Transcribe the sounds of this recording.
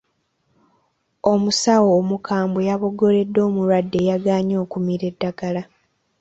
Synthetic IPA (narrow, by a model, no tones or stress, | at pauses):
o̞musawoːmukʰaːmbojaβo̞ɡo̞le̞dːo̞ːmuɾwadːe̞jaɡaːɲo̞ːkumiɾe̞dːaɡala